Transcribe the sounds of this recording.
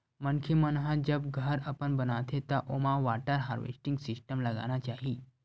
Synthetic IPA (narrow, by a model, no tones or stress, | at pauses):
mənkʰimənɦad͡ʑəbɡʱəɾəpənbənat̪ʰet̪aʔomaʋaʈaɾɦa̰ɾʋḛsʈiŋɡsisʈəmlaɡa̰ñat͡ɕaɦi